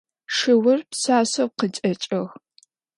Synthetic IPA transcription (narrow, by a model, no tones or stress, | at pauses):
ʂɨwɐrpsaːsɐwqət͡ʃʼɐt͡ʃʼɐɣ